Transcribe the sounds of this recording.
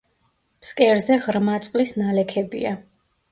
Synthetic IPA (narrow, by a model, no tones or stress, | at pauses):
pskʼɛɾzɛʁɾmat̪sʼqʼlisnalɛkʰɛbḭa